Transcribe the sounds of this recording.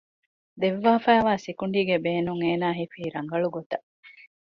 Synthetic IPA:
d̪eʋːaːfæːʋaːsikuɳɖiːɡebeːnuŋeːnaːɦifiːɾɐŋɡɐɭuɡot̪ɐ

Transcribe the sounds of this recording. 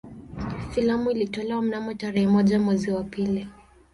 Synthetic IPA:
filamuilitɔlɛwam̩namɔtaɾɛhɛmɔʄamwɛziwapili

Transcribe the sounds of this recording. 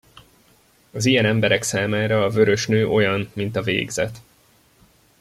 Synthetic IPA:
ɒzijɛnɛmbɛɾɛksaːmaːɾɒːvø̞ɾø̞ʃnøːʔo̞jɒnmint̪ɒvḛːɡzɛ̰t̪

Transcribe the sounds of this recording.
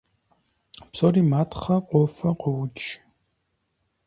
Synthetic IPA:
psoriːmaːtʰχɐqʷʼɔfɐqʷɔwʊt͡ʃʰʼ

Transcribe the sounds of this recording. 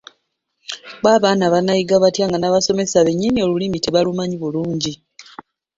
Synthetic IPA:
βwaːβaːnaβanajiɡaβatjaːŋɡanaβaso̞me̞saβeɲːinio̞lulimiteβalumaɲiβuluːɲɟi

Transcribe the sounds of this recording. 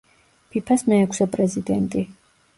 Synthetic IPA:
pʰipʰasmɛɛkʰsɛpʼɾɛzid̪ɛnt̪ʼi

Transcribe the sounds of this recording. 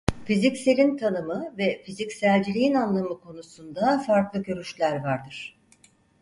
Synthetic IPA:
fizicselʲint̪ʰanɯmɯvɛfizicsælʲd͡ʒilʲijinanlˠamɯkʰo̞nusund̪afaɾklˠɯkʰøɾyʃlʲæɾvaɾd̪ɯɾ̝̥

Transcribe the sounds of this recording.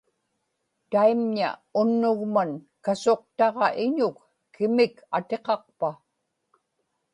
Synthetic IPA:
t̪aimɲa̰ʊnːʊɣman | kaso̞q̚t̪ɑʁɑʔɪɲʊkː | ɪmɪkat̪e̞qɑq̚pa

